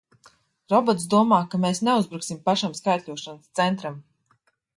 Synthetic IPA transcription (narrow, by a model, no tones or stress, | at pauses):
ɾɔbɔt̪s̬d̪uɔmaːkameːsneuzbɾuksimpaʃamskajt̪ʲʎʲuɔʃanst̪sɛnt̪ɾam